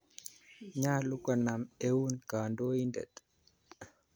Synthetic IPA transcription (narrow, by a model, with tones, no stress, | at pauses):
ɲa˦lu˦ka˨na˨me˦wu˦nka˨ndo˦i˦ndɛ̰˨t̪